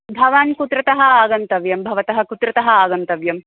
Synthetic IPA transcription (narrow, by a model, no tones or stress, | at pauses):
bʱɐʋaːnkut̪ɾɐt̪ɐɦɐaːɡɐnt̪ɐʋjɐmbʱɐʋɐt̪ɐɦɐkut̪ɾɐt̪ɐɦɐaːɡɐnt̪ɐʋjɐm